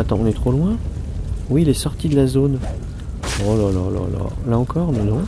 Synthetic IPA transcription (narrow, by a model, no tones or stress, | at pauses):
at̪ɑ̃ɔ̃nɛt̪χolwɛ̃ | wiːlɛsɔʁt̪id̪əlazon | ɔlalala̰la̰laɑ̃kɔʁnɔ̃nɔ̃